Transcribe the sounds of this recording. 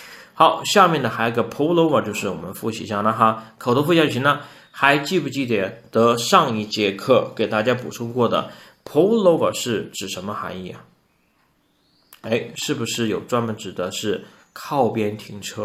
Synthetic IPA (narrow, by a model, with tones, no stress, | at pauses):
xɑ˧˥ʊɕja˥˧mjɛ˥˩nd̪ə˩xa˧˥ɪ˧ɡə˧˩pʰo˧˥ʊlo˧˥ʊə˞˨˩t͡ɕjo˥˧ʊʂɻ̩˥˩wɔ̰˨˩mə̰˦nfu˥˩ɕḭ˧˥˩ɕjɑ˥˩ŋna˥˧xa˥kʰo˨˩ʊo˧˥fu˥˩ɕjɑ˥t͡ɕʰi˧˥nə˧ | xa˧˥ɪt͡ɕi˥˧pu˥˩t͡ɕi˥˩t̪jɛ˨˩t̪ɤ˧˥ʂɑ˥˧ŋi˥˩t͡ɕjɛ˧˥kʰɤ˥˩ke˨˩ɪt̪a˥˩t͡ɕja˥pṵ˨˩ʈ͡ʂʰʊ˥ŋkwɔ˥˩d̪ə̰˩ | pʰo˧˥ʊlo˧˥ʊə̰˨˩ʂɻ̩˥˩ʈ͡ʂɻ̩˨˩ʂə˧˥nmə˧xa̰˧˥ŋi˥˩ɐ˩ | e˥ɪʂɻ̩˥˩bu˩ʂɻ̩˥˩jo˨˩ʊʈ͡ʂwa˥nmə˧˨nʈ͡ʂɻ̩˨˩d̪ə˦ʂɻ̩˥˩ | kʰɑ˥˩ʊpjɛ˥nt̪ʰi˧˥ŋʈ͡ʂʰɤ˥